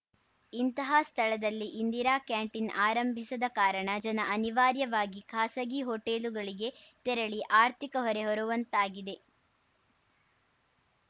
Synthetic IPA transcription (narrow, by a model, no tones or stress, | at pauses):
int̪ɐɦɐst̪ʰɐɭɐd̪ɐlːiʔind̪iɾaːkjaːɳʈinaːɾɐmbʱisɐd̪ɐkaːɾɐɳɐd͡ʒɐnɐʔɐniʋaːɾjɐʋaːɡikʰaːsɐɡiɦoːʈeːluɡɐɭiɡe̞t̪ɛɾɐɭiʔaːɾt̪ʰikɐɦɔɾe̞ɦɔɾuʋɐnt̪aːɡid̪e̞